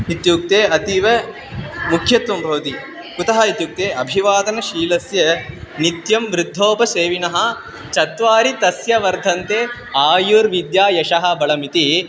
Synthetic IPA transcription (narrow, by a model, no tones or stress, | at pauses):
it̪juːk̚t̪eːʔɐt̪iʋɐ | mukʰjɐt̪ʋɐmbʱɐʋt̪i | kut̪ɐɦɐit̪juːk̚t̪eːʔɐbʱiʋaːd̪ɐnɐʃiːlɐsjɐnit̪jɐmʋɾɪd̪ʱːoːpɐseːʋinɐɦɐ̆ | t͡ʃɐt̪ʋaːɾit̪ɐsjɐʋɐɾd̪ʱɐnt̪eː | aːjuːɾʋid̪jaːjɐʃɐɦɐ̆bɐɭɐmit̪i